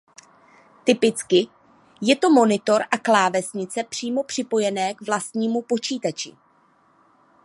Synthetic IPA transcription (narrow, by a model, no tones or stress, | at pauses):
t̪ɪpɪt͡skɪ | jɛt̪o̞mo̞nɪt̪o̞ɾʔaklaːvɛsɲɪt͡sɛpr̝̥iːmo̞pr̝̥ɪpo̞jɛnɛːkvlast̪ɲiːmupo̞t͡ʃiːt̪at͡ʃɪ̰